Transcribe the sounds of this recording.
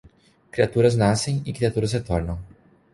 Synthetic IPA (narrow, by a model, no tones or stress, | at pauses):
kɾiat̪uɾɐznasẽj̃ɪkɾiat̪uɾɐshet̪ɔɾnɐ̃w̃